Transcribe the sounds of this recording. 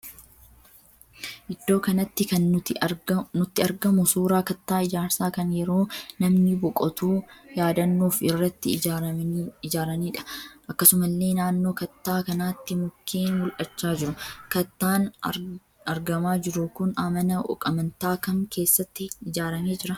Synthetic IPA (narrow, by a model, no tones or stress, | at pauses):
ʔɪd̪ːo̞ːkɐnɐt̪ːɪkɐn | nʊt̪ːɪɐɾɡɐmʊsuːɾaːkɐt̪ːaːɪd͡ʒaːɾsaːkɐnjɛɾo̞ːnɐmnɪbɔkʼɔt̪uːjaːd̪ɐnːuːfɪrːɐt̪ːɪ | ɪd͡ʒaːɾɐniːᶑɐ̥ʔɐkːɐsʊmɐlːe̞ːnaːnːo̞ːkɐt̪ːaːkɐnaːt̪ːɪmʊkʰːeːnwɔlʔɐt͡ʃːaːd͡ʒɪɾʊkɐt̪ːaːn | ɐɾɡɐmaːd͡ʒɪɾʊkʊnɐmɐnɐʔɔ̰kʼɐmɐnt̪aːkɐŋkʰe̞ːsːɐt̪ːɪːd͡ʒaːɾɐme̞ːd͡ʒɪɾɐ